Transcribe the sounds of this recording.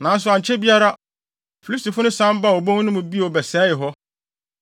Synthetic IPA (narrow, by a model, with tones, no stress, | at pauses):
nã˨˦s̬ʊ˨a˨ɲ˨t͡ɕʰɛ˦bi˦a˦ɾa˦ | fi˨lsti˨fʊ˦nʊ̃˦sã˦m˦ba˦˨o˨bõ˦ŋ˦nʊ̃˦mʊ̃˨bi˦˨o˨bɛ˨sɛː˨˦jɪ˨ɦɔ˦